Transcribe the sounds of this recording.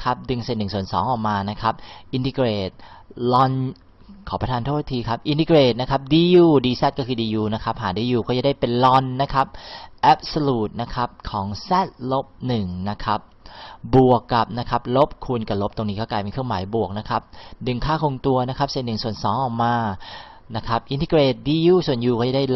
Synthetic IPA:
kʰa˦˥p̚dɯ˧ŋse˧˩t̪nːɯ˨˩ŋsu˨˩ənsɔ̰ː˩˦ŋʔɔː˨˩k̚maː˧na˦˥kʰa˦˥p̚ʔi˧nt̪i˧kɾeː˨˩t̪̚lɔ˧n | kʰɔː˩˦pɾa˧t̪ʰaː˧nt̪ʰːa˧t̪ʰiː˧kʰa˦˥p̚ʔi˧nt̪iː˧kɾeː˨˩t̪̚na˦˥kʰa˦˥p̚diː˧juː˧˩diː˧sɛ˦˥t̪̚kɔː˥˩kʰɯː˧diː˧juː˧na˦˥kʰa˦˥p̚ɦaː˩˦diː˧juː˧kʰɔː˥˩t͡ɕa˨˩da˥˩jpe˧nlɔ˧nːa˦˥kʰa˦˥p̚ʔɛ˦˥p̚so˧luː˨˩t̪̚na˦˥kʰa˦˥p̚kʰɔː˩˦ŋsɛ˦˥˩t̪̚lo˦˥p̚nɯ˨˩ŋna˦˥kʰa˦˥p̚bu˨˩əkːa˨˩p̚na˦˥kʰa˦˥p̚lo˦˥p̚kʰu˧nka˨˩lo˦˥p̚t̪o˧ŋniː˦˥kɔː˥˩klaː˧jpe˧kʰəmaː˩˦jbu˨˩ək̚na˦˥kʰa˦˥p̚dɯ˨˩ŋkʰaː˥˩kʰo˧ŋt̪u˧ɐna˦˥kʰa˦˥p̚se˨˩t̪nɯ˨˩ŋsu˨˩ənsɔː˨˩˦ŋʔɔː˨˩k̚maː˧ | na˦˥kʰa˦˥p̚ʔi˧nt̪ʰi˧˥ɾeː˨˩t̪̚diː˧juː˥˩su˨˩ənjuː˧kɔː˥˩t͡ɕa˨˩da˥˩j

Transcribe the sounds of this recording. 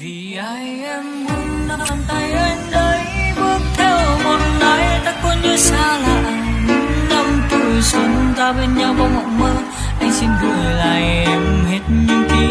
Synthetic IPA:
vi˨˩ʔaː˧jʔɛ˧mmu˨˧˦ənɗa˧nt̪a˧jʔə˧nɗəː˨˦jɓɨ˦˥ək̚t̪ʰɛ˧˩wmɔ˨˧˩nna˨˦jt̪a˧ku˧əɲɨ˧˦saː˧laː˨˩ʔŋɲɨ˨˦ŋna˧mt̪u˨˩jsə˨˦nzaː˧ɓe˧nɲa˧wva˧˩wŋɔ̰˧˨məː˧ | ʔa˧jŋ̟si˧nɣə˨˩jla̰ː˨˩jʔɛ˧mɦe˦˥t̚ɲɨ˧ŋk̪i˧˦

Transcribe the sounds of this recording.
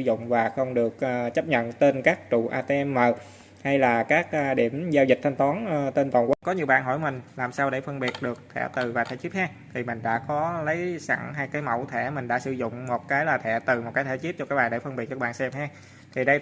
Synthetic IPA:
zʊ̰˧˨ŋ͡mvaː˨˩xə˧wŋ͡mɗɨ˨˩ək̚ʔːt͡ɕə˦˥p̚ɲə̰˧˨nt̪e˧nkaː˦˥k̚t͡ɕṵ˧˨ʔaː˧t̪e˧ʔɛ˧mːəː˨˩ | ha˧jlaː˨˩kaː˦˥k̚ʔɗi˧˩əmzaː˧wzi̟˨˩t̪ʰa˧ŋ̟t̪ɔ˨˦nː˧t̪e˧nt̪ɔː˨˩ŋkwa˨˦˥kɔ˨˦ɲi˨˩əwɓa̰ː˧˨nɦɔ˧˩jmï˨˩ŋ̟laː˨˩msaː˧wɗe˧˩fə˧nɓi˨˩ət̚ɗɨ˨˩ək̚t̪ʰɛ̰˧˩t̪ɨ˨˩vaː˨˩t̪ʰɛ̰˧˦t͡ɕi˦˥t̚haː˧ | t̪ʰi˨˩mï˨˩ŋ̟ɗa̰ː˧˥kɔ˨˦lə˨˦jsa̰˧˩ŋɦa˧jkaː˨˦jmə˧˩wt̪ʰɛ˧˩mï˨˩ŋ̟ɗa̰ː˧˥sɨ˧˩zʊ̰˧˨ŋ͡mmo˨˩t̚kaː˨˦jlaː˨˩t̪ʰɛ̰˧˩t̪ɨ˨˩mo˨˩t̚kaː˨˦t̪ʰɛ˧˩t͡ɕi˦˥t̚t͡ɕɔ˧kaː˦˥ɓaː˨˩ɗe˧˩fə˧nmɓi˨˩ət̚t͡ɕə˧˦˥ɓaː˧˨nsɛ˧mhaː˧ | t̪ʰi˨˩ɗə˧j

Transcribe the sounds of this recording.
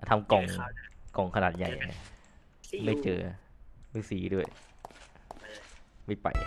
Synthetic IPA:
t̪ʰa˧mkɔ˨˩ŋkɔ˨˩ŋkʰa˧naː˨˩t̪̚ja̰˨˩jʔa˧˩ | ma˥˩jt͡ɕɤː˧ma˥˩jsiː˩˦du˥˩ə˩j | ma˥˩jpa̰˨˩j

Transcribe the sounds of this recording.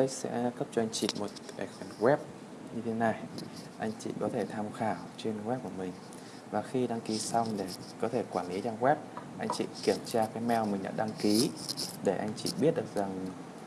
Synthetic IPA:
ə˦jsɛ̰˧˥kə˦˥p̚t͡ɕɔ˧ʔa˧jŋt͡ɕḭ˧˨mo˨˩t̚ | ɛ̰˨˦˩k̚a˧˩nɣwɛ˦˥p̚ | ɲɨ˧t̪ʰe˨˦na˨˩jʔa˧jŋ̟t͡ɕḭ˧˨kɔ˨˦t̪ʰe˧˩t̪ʰaː˧mxaː˧˩wt͡ɕe˧nɣwɛ˦˥p̚ku˧˩əmï˨˩ŋ̟ | vaː˨˩xi˧ɗa˧ŋki˨˦sa˧wŋ͡mɗe˧˩ | kɔ˨˦t̪ʰe˧˩kwaː˧˩nli˨˦t͡ɕaː˧nɣwɛ˦˥p̚ʔa˧jŋ̟t͡ɕḭ˧˨ki˧˩əmt͡ɕaː˧kaː˨˦jmɛ˧wmï˨˩ŋ̟ɗa̰ː˧˥ɗa˧ŋki˨˦ɗe˧˩ʔa˧jŋ̟t͡ɕḭ˧˨ɓi˦˥ət̚ɗɨ˨˩ək̚za˨˩ŋ

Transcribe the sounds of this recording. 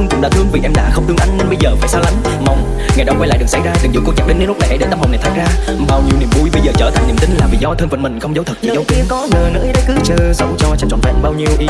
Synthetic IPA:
ŋ͡mkʊ̰˧˥ŋ͡mɗa̰ː˧˥t̪ʰɨ˧əŋvḭ˨˩ʔɛ˧mɗa̰ː˧˥xə˧wŋ͡mt̪ɨ˧ŋʔa˧jŋ̟nə˧nɓə˧jzəː˨˩faː˧˩jsaː˧wla˨˦ŋ | ma˨˩wŋ͡m | ŋa˨˩jɗa˧˦wkwa˧jla̰ː˧˨ɗɨ˨˩əksa˧˩jzaː˧t̪ɨ˨˩ŋzu˨˦ko˧t͡ɕaː˨˩ɗe˨˦nɗnl̚na˨˩jʔə˨˦jɗe˧˦nt̪a˧ma˨˩wn˨˩jt̪ʰaː˧˩zaː˧ | ɓaː˧˩wɲi˧əwni˧˩əmvṵ˧˩jɓə˧jzəː˨˩t͡ɕəː˧˩t̪ʰa˨˩jŋnḭ˨˧˩əmt̪ï˨˦ŋ̟laː˨˩vḭ˧˨zɔ˧t̪ʰəː˧nfə˧˨˩nmï˨˩ŋ̟xə˧wŋ͡mzə˨˦wt̪ʰɨ˨˩k̚t͡ɕʰḭ˧˨zə˨˦wt̪i˧ənkɔ˨˦nəː˨˩nɨ̰˧˥jɗə˨˦jkɨ˨˦t͡ɕɨ˧˩sə˨˦wŋ͡mt͡ɕɔ˧t͡ɕːt͡ɕɔ̰˧˨nt̪aː˧˨˧ɓaː˧wɲi˧əwʔ

